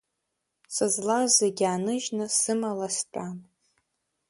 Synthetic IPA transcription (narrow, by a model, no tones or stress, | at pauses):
sɨzlazeɡʲaːnɨʒnɨsɨmalastʷʰʼan